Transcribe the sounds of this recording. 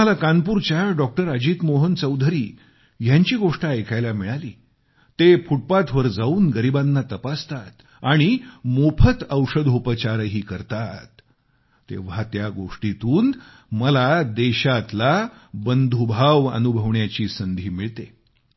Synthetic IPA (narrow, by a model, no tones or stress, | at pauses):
alakanpuɾt͡ɕjaɖɔk̚ʈəɾəd͡ʑiːt̪moɦənt͡səwd̪ʱəɾiː | jaɲt͡ɕiːɡoʂʈaekʰajlamiɭaliː | t̪efʰuʈ̚pat̪ʋəɾd͡zauːnɡəɾibãnːat̪əpast̪at̪ | aɽ̃imopʰət̪əwʂəd̪ʱupət͡ɕaɾəɦiːkəɾt̪at̪ː | ḛʋ̤at̪jaɡoʂʈit̪uːn | məlad̪eɕat̪labənd̪ʱubʱaʋə̰nubʱəʋɳjat͡ɕiːsənd̪ʱiːmiɭt̪e